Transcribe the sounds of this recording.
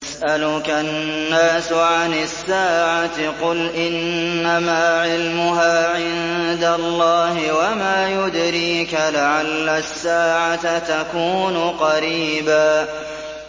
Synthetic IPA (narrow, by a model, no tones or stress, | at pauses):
sʔalʊkanːaːsʊʕanɪsːaːʕat̪ɪqʊlʔɪnːamaːʕɪlmʊɦaːʕɪnnd̪alˤːɑːɦɪwamaːjʊd̪ɾiːkalaʕalːasːaːʕat̪at̪akuːnʊqɑɾiːbaː